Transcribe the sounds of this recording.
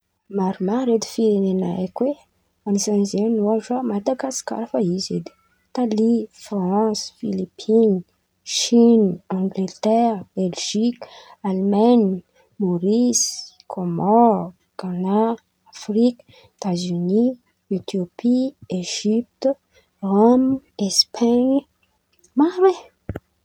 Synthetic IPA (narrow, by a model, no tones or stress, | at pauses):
maɾumaɾed̪i̥fiɾenenaa̰kwe | anisanzenuaʈ͡ʂamad̪aɡasi̥ka̰ɾafaizḛd̪i̥ | t̪alifrãsfilipʰin | ʃinɑ̃ŋɡlet̪ɛʁbelʒikalmaɲ | moɾis | kʰomɔ | kanaː | frik | et̪azyni | et̪iopʰieʒip̚t̪ | romespʰaɲ | maɾe